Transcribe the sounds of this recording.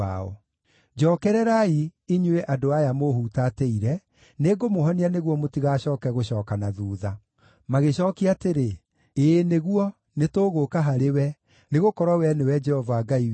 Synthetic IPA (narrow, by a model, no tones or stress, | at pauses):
aɔ̰ | d͡ʒɔːkɛɾɛɾaiiɲweʔadoajamohutateiɾɛ | neːɡomoɦɔnianeɣwɔmotiɣaːɕɔːkɛɣoɕɔːkanaðuːða | maɣeɕɔːkiateɾe | eneɣuɔ | netoːɣokaɦaɾewɛ | neɣokɔɾwawɛnewɛd͡ʒɛhɔvaːɡai